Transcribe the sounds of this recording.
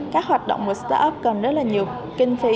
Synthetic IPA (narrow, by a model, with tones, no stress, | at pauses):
kaː˦˥k̚hwaː˨˩t̚ɗo̰˧˨ŋ͡mmu˨˩st̪a̰ː˧ʔə˦˥p̚kə˨˩nzə˦˥t̚laː˨˩ɲi˨˩əw | kï˧ŋ̟fi˨˦